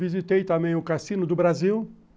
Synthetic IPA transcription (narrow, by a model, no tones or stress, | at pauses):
vizit̪ejt̪ɐ̃mẽj̃ʊkasĩnʊd̪ʊbɾaziw